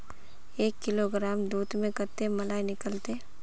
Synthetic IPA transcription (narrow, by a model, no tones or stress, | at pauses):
eːkːɪloɡɾaːmd̪uːt̪mẽkəɾt̪emɐlaːinɪkəlt̪e